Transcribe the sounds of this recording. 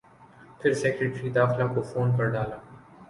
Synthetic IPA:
pʰɪɾsɛːkɾeʈɾid̪aːxlakofoːnpɐɾɖaːlaː

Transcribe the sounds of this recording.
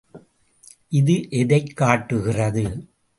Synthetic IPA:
ʔɪðɯʔɛðɐɪkːaːʈːɯɣɪrɐðɯ

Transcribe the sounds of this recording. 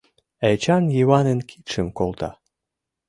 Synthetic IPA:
æt͡ɕɑnjiβɑnenkʰit̪ʃəmkolt̪ɑ

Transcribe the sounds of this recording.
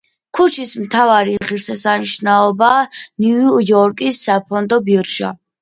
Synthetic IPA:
kʰut͡ʃʰismt̪ʰavaɾiʁiɾsɛsaniʃnaɔbaniujɔɾkʼisːapʰɔnd̪ɔbiɾʃa̰

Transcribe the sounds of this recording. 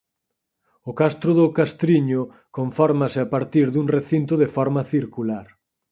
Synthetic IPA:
ʊkast̪ɾʊðʊkast̪ɾiɲʊ | koɱfɔɾmasɪapaɾt̪iɾðuŋreθint̪ʊðefɔɾmaθiɾkulaɾ

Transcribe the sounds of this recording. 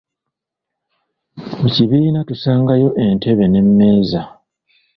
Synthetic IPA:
muciβiːnatusaːŋɡajo̞ʔe̞ntʰe̞βe̞ne̞mːe̞ːza

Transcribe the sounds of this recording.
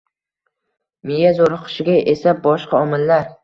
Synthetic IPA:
mɪjazoɾɨqʰɨ̥ʃɪɡʲaʔesabɒʃqɑɒmɪlːaɾ

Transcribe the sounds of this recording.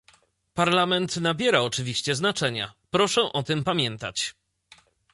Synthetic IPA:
paɾlamɛnt̪nabʲjɛɾaɔt͡ʂɘvʲiɕt͡ɕɛznat͡ʂɛɲa̰pɾɔʂɛʔɔt̪ɘmpamʲjɛnt̪a̰t͡ɕ

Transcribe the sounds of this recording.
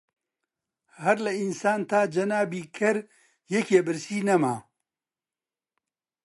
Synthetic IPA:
hɐɾlɐinsaːnt̪ʰaːd͡ʒɐnaːbiːkʰɐɾ | jekʰeːbɨɾsiːnɐma̰ː

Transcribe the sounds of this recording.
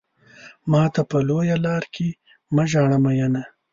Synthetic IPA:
mɑːt̪apəlojalɑːɾkʰe | maʒɑːɳamajana

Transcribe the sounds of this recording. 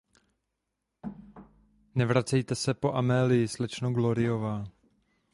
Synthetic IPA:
nɛvɾat͡sɛjt̪ɛsɛpo̞ʔamɛːlɪjɪslɛt͡ʃnoɡloɾɪovaː

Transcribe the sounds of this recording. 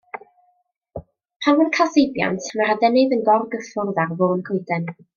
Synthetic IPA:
pʰanvɔnkʰasejbja̰ntʰmaradɛnɨðənɡɔrɡəfʊrðarvoːnkʰoɨdɛn

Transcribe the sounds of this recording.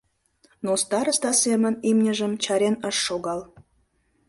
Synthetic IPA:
nost̪ɑɾə̆st̪ɑsemə̆nimnʲə̆ʒə̆mt͡ɕɑɾenəʃːoɡɑl

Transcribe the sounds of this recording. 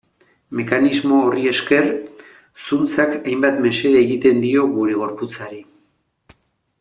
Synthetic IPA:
me̞kanizmo̞ːrie̞ske̞r | sunt͡sakajmbat̪me̞se̞ɾaeɣit̪e̞nd̪io̞ɣuɾe̞ɣ̞o̞ɾput͡saɾi

